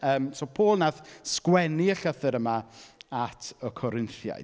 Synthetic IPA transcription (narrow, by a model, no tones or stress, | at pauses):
əːmsopʰoːlˠnaðskwɛniəɬəθɨɾəmaatʰəkʰɔɾɪnθja̰j